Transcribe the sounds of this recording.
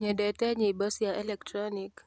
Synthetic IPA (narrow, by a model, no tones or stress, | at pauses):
ɲɛdɛtɛɲibɔsjaʔɛlɛktɾɔnik